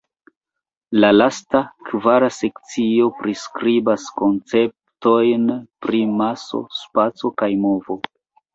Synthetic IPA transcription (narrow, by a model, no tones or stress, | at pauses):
lalastakvaɾase̞kt͡sio̞pɾiskɾibasko̞nt͡se̞p̚ | to̞jnpɾimaso̞̰spat͡so̞kajmo̞vo̞